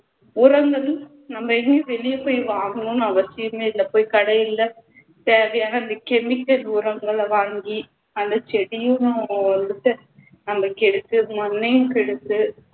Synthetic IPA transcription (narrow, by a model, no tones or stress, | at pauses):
ʊɾɐŋɡɐl | nɐmbɐɛŋɡeʋɛlɪjɐpoːjʋaːŋɡɐnũnɐʋɐsɪjɐmeːɪlːɐpoːjkɐɽɐjɪlːɐ | t̪eːʋɐjaːnɐɪnd̪ɐkɛmɪkːɐlʊɾɐŋɡɐɭʋaːŋɡi | ɐnd̪ɐt͡ʃɛɽɪjʊñɐnd̪ɯtːɯ | nɐmbɐkːɛɽɯt̪ːɯmɔnːɛjɯ̃kɛɽɯt̪ːɯ